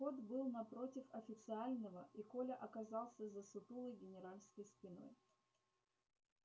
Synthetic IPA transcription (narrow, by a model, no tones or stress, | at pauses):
xo̞t̪bɨlˠnɐpɾo̞tʲɪfɐfʲɪt̪sɨalʲnəvəikolʲəʔɐkɐzɑlˠsʲəzəsʊt̪ulˠəjɡʲɪnʲɪɾalʲskəjspʲɪno̞̰j